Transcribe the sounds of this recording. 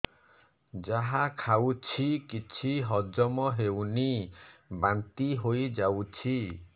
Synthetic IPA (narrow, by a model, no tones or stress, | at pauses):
d͡ʒaɦakʰawt͡ʃʰikit͡ʃʰiɦɔd͡ʒɔmɔɦewnibant̪iɦojd͡ʒawt͡ʃʰi